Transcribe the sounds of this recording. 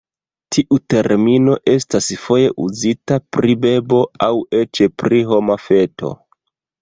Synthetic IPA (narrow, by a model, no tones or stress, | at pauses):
tʰiʔute̞ɾmino̞ʔe̞stasfo̞je̞ʔuzitapɾibe̞bo̞awe̞t͡ʃepɾiɦo̞mafe̞to̞̰